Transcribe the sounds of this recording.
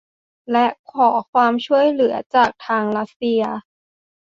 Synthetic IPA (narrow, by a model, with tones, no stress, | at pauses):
lɛ˦˥ʔkʰɔː˩˦kʰwaː˧mt͡ɕʰu˥˩əjlɯ˩˦ɐt͡ɕaː˨˩k̚t̪ʰaː˧ŋɾa˦˥t̪̚si˧ɐ